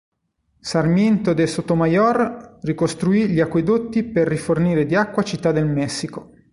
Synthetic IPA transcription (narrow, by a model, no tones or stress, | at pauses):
sarmjent̪od̪esot̪ːomajɔrrikost̪ɾuiʎiakːwed̪ot̪ːiperːiforniːɾed̪iakːwat͡ʃit̪ːad̪elmɛsːiko